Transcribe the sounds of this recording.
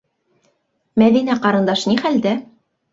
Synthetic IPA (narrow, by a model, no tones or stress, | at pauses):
mæðinæqɑɾɤ̆nd̪ɑʃniχæld̪æ